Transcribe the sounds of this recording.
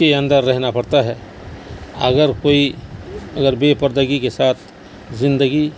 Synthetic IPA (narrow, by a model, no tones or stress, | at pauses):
eɐ̃nd̪əɾːɛɦnapɐɽt̪aɦɛː | ɐɡəɾkoːi | ɐɡəɾbeːpəɾd̪əɡikesaːt̪ʰ | zɪ̃nd̪əɡi